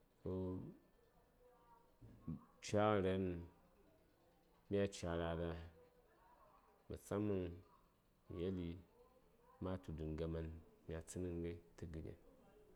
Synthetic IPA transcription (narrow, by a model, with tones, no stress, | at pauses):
ko˦ | t͡ʃa˦˨ɾe˦n | mʲ˦a˦t͡ʃa˨ɾa˨da˦ | mə̰˨t͡sa˦mu˦ŋ | mḭ˨je˦li˦ | ma˦tu˨du˨nɡa˨ma˨nmja˨t͡sɨ˦nɨ˦ŋɡa˦tɨ˦ɡɨ˨ɡḛ˨n